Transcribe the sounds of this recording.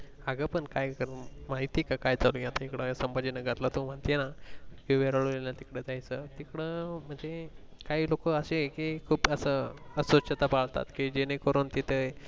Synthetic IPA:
aɡəpəɳkajkəɾmaɦit̪ikakajt͡salujat̪aikɽəsəmbəd͡ʑinəɡət̪lət̪um̤əɳt̪enakiʋeɾaɭoleljat̪ikɽəd͡z̪ajt͡sət̪ikɽəm̤əɳd͡ze | kaɦiːlokəəsekekʰuːpəsəəsʋəɕət̪apaɭt̪a̰t̪kid͡ʑenekoɾont̪it̪ʰə

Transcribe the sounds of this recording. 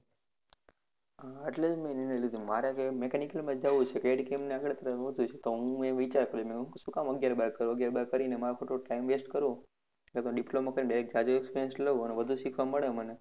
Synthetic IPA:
aəʈlemẽninəlid̪ʱumaɾakemekenikəlmãd͡ʒaʋut͡ʃʰekeɖkemneakɽet̪əɾəfɦod̪ʱũt͡ʃʰet̪oɦũeʋit͡ʃaɾkəɾumẽũʃũkaməɡjaɾbaɾkəɾũəɡjaɾbaɾkəɾinemaɾakʰoʈoʈaimʋesʈkəɾũ | kat̪ɖiplomakəɾineaɾek̚d͡ʒad͡ʒoɛkspeɾiənsləəneʋəd̪ʱũʃikʰʋaməɭeməne

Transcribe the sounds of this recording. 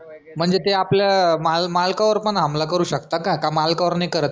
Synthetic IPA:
m̤əɳd͡zet̪eapljamalmalkaʋəɾpəɳɦamlakəɾuːɕəkt̪akakamalkaʋəɾnakəɾət̪

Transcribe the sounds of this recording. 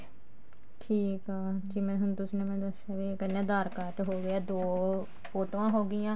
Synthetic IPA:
ʈʰiːkaːd͡ʒiːmɛ̃ːɦʊñt̪ʊsinẽːmɛ̃ːd̪əsaːkiːkənẽːd̪aːɾkaːt̪ɦoːɡeɛːd̪oː | foːʈoãːɦoːɡɪjãː

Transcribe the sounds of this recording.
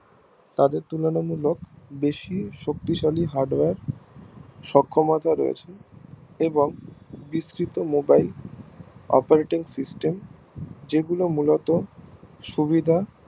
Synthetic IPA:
t̪ad̪eɾt̪ulonomulokbeʃiʃok̚t̪iʃaliɦaɾɖweɾ | ʃɔkʰːomat̪ʰaɾɔ̰jḛt͡ɕʰeneboŋbisɾit̪omobajl | ɔ̰paɾeʈiŋsisʈem | d͡ʑeɡulomulot̪oʃubid̪ʱa

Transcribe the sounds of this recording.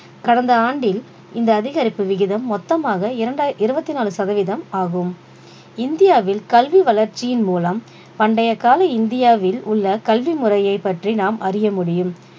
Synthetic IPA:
kɐɽɐnd̪ɐaːɳɖɪl | ɪnd̪ɐːðɪɣɐɾɪpːɯʋɪɣɪðɐmːɔt̪ːɐmaːɣɐɪɾɐɳɖaʔɪɾɯbɐt̪ːinaːlɯsɐðɐʋɪðɐmaːɣɯm | ɪnd̪ɪjaːʋɪlkɐlʋiʋɐlɐɾt͡ʃːɪjɪnmuːlɐm | pɐɳɖɐjɐkaːlɐɪɪnd̪ɪjaːʋɪlʊɭːɐkɐlʋimʊrɐjɐɪpːɐʈrinaːmʔɐrɪjɐmʊɽɪjɯm

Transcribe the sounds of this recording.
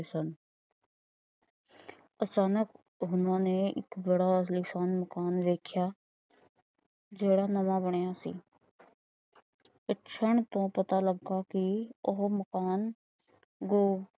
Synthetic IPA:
sən | ɐt͡ʃaːnək | ɦʊnɦõneɪ̰kbəɽaslisaːnməkaːnɾeːkʰja | d͡ʒeːɽanɐmabəɽ̃jasḭ | ɪtʃʰəɳ̃t̪õpɐt̪aləɡːakioɦməkaːn | ɡoː

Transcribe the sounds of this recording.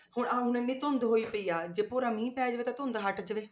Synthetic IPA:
hʊɳãːʊnẽːnĩːt̪ond̪ɦoːiːpəiːjaːd͡ʒeːpoːɾaːmĩːpɛːd͡ʒəʋeːt̪ãːt̪ʊnd̪ɦəʈd͡ʒəʋeː

